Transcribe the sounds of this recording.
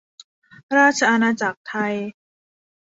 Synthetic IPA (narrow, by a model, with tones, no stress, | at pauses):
ɾaː˥˩t̪̚t͡ɕʰa˧ʔa˧naː˧t͡ɕa˨˩k̚t̪ʰa˧j